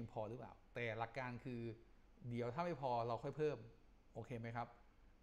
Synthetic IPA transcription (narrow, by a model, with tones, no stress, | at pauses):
i˧ŋpʰɔː˧ɾɯː˦˥pla̰ː˨˩wt̪ɛː˨˩la˨˧˩kːaː˧nkʰɯː˧ | di˨˩˦əwt̪ʰaː˥˩ma˥˩jpʰɔː˧ɾa˧wkʰɔ˥˩jpʰɤː˥˩m | ʔoː˧kʰeː˧ma˦˥jkʰɾa˦˥p̚